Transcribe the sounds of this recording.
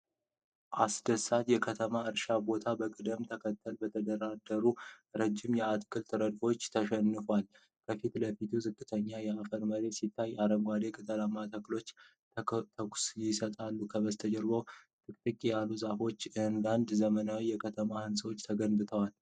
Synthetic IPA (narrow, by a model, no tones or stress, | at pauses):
ʔasd̪əsat̪jɛkʰət̪ʰəmaɨɾʃabo̞t̪ʰabəkʼɨd̪əmt̪ʰəkʰət̪ʰːəlbət̪ʰəd̪əɾad̪əɾuɾəd͡ʒːɪmjɛat̪kʰɨlt̪ʰɨɾəd̪fo̞t͡ʃːt̪ʰəʃɛnːɨfwal | kʰəfit̪ləfit̪ʰuzɨkʼːɨt̪ʰəɲːajɛafəɾməɾe̞sit̪ʰːajaɾəmɡʷad̪e̞kʰʼət̪ʰəlamːat̪ʰaklo̞t͡ʃː | t̪ʰəksjɪsət̪ʼalːukʰəβəst̪ʰəd͡ʒɛɾɡowt̪ʰʼɨkʼt̪ʼɨkʼijalːuzafo̞t͡ʃːɨnd̪and̪zəmənawijɛkʰət̪ʰəmahɨnswot͡ʃːt̪ʰəɡənbɨt̪ʰəwal